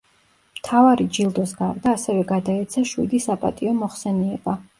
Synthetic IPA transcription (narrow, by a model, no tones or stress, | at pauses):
mt̪ʰavaɾid͡ʒilˠd̪ɔsɡaɾd̪aːsɛvɛɡad̪aɛt̪sʰaʃwḭd̪isapʼa̰t̪ʼiɔmɔχsɛniɛba